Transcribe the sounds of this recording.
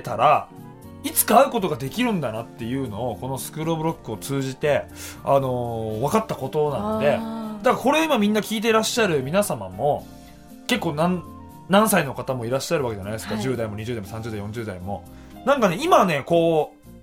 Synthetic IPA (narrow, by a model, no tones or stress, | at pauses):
t̪aɾa | it͡sɨ̥kaːɯ̟ko̞t̪o̞ɡad̪e̞kʲiɾɯ̟̃nd̪anat̪ːe̞jɯ̟ːno̞ːko̞no̞sɨ̥kɯ̟ɾobɯ̟ɾo̞kːɯo̞t͡sɨːʑit̪e̞ | ano̞βakat̪ːako̞t̪o̞nãod̪e̞d̪akako̞ɾe̞oimamʲĩnːakʲiːt̪̬eɾaɕːaɾɯ̟mʲinasama̰mo̞ | ke̞kːo̞ːnãn | nãɰ̃saino̞kat̪amo̞iɾaɕːaɾɯβake̞d͡ʑanaiesɨ̥kad͡ʑɨːd̪aimo̞ɲ̟iʑɨ̟ːd̪aimo̞sãɲ̟d͡ʑɨːd̪aijõ̞ɲd͡ʑɨːd̪aimo̞ | nãŋkane̞imane̞ko̞ː